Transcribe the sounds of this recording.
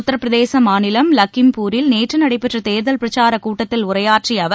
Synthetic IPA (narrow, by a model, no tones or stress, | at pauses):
t̪ːɐɾɐpːɪɾɐðeːsɐmaːnɪlɐmlɐkːɪmpuːɾɪlneːʈrɯnɐɽɐɪpːɛʈrɐt̪eːɾðɐlpɪɾɐt͡ʃaːɾɐkuːʈːɐt̪ːɪlʊrɐjaːʈriɐʋɐ